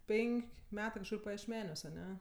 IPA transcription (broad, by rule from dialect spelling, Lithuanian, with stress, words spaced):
ˈpʲɛŋʲkʲ ˈmʲæːtɜ kɐʃˈkʊr pɐjiɛʃʲˈmʲæːnʲuɔs ɐˈnʲɛ